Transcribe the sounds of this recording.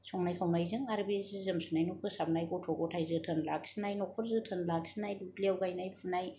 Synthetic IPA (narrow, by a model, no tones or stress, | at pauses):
sɔŋnajkʰawnajzɯŋaɾbezɯzɯmsunajnɔkʰɯsab̚najɡɔtʰɔɡɔtʰajzɯtʰɯnla̰ksinajnɔkʰɔɾzɯtʰənlaksinajduklawɡajnajpʰunaj